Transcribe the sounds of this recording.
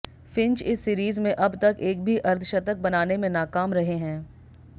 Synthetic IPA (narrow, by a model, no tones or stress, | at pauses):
fɪ̃nt͡ʃɪsːiːɾiːzmẽʔɐbt̪ɐkeːk̚bʱiʔɐɾt̪ʰʃɐt̪ək̚bɐnaːnemẽnaːkaːmɾɐɦeɦɛ̃ː